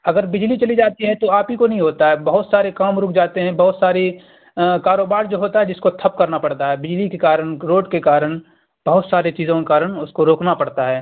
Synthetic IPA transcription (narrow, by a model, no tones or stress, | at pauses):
ɐɡəɾbɪd͡ʒlit͡ʃɐlid͡ʒaːt̪iɦɛt̪oaːpikonɐɦĩɦoːt̪aɦɛːbɐɦʊt̪saːɾekaːmɾʊːkʰd͡ʒaːt̪eɦɛ̃bɐɦʊt̪saːɾe | kaːɾoːbaːɾd͡ʒoːɦoːt̪aɦɛd͡ʒɪskot̪ʰɐp̚kɐɾnapɐɽt̪aɦɛːbɪd͡ʒlikekaːɾənɾoːɖkekaːɾəɳ | b̥ɐɦʊt̪saːɾet͡ʃiːzõkekaːɾənʊskoɾoːknapɐɽt̪aɦɛː